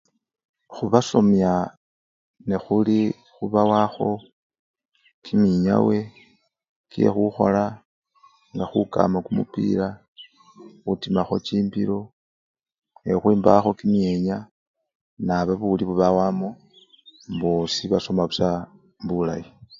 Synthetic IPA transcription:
xuβaso̞mja | nexuli | xuβawaxo̞ | kʰimiɲa̰we̞ | kiḛxuxo̞̰la | ŋɡaxuka̰makumṵpḭla | xutimaxo̞̰t͡ʃiːmbiɾo̞ | exwiːmba̰xo̞kimjeɲa | naβaβuliβuβawamo | mbosiβaso̞maβusa | bula̰ji

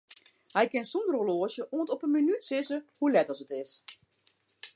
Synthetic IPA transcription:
hɛjkɪnsundəroloːəʃjəʔuəntɔpənminytsɪsəhulɛtəsətɪs

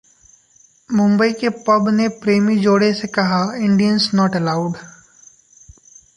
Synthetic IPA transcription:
mʊ̃mbəikepɐbnepɾeːmid͡ʒoːɽesekɐɦaɪ̃ɳɖijənsnɔːʈəlaːʊɖ

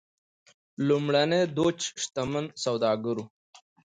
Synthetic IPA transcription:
lumɽɐned̪oːt͡ʃʂt̪ɐmənsawd̪ɑːɡəɾu

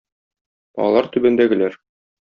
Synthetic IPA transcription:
ɒɒ̰lˠɑɾt̪ʉbæ̆nd̪æɡɘ̆læɾ

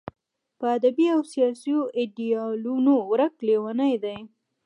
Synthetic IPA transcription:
pəad̪abiawsijɑsijoʔɪɖiɑlunowɾəklewanajd̪aj

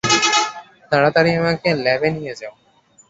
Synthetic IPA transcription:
t̪aɽat̪aɾiemakelɛbenijed͡ʑao

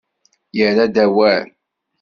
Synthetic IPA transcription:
jəɾæd̪æwæ

